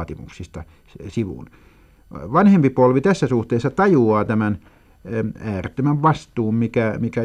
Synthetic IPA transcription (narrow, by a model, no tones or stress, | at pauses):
t̪imṵksist̪ɑ | siʋṵn | ʋɑnhempipolʋit̪æsːæsuht̪eːsːɑt̪ɑjuɑːt̪æmæn | æːret̪ːømæʋʋɑst̪uːmmikæmikæ